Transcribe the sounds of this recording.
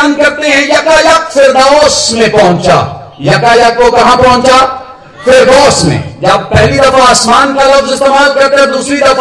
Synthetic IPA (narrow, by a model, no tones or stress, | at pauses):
nkɐɾt̪eɦɛ̃jakajakfʰɪɾd̪ɔːsmẽpɐɦʊ̃t͡ʃa̰ | jakalakokɐɦãpɐɦʊ̃ɲt͡ʃa | fʰɪɾd̪ɔːsmḛ̃d͡ʒab̚pɛɦlid̪ɐfʰaːsmaːnkalɐbɪst̪emaːlkɐɾkẽd̪uːsɾid̪ɐfʰ